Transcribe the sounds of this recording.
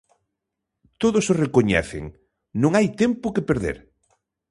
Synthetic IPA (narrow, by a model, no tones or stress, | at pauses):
t̪oðʊsorekoɲɛ̰θɪ̰ŋ | nõŋajt̪empʊkepeɾðḛɾ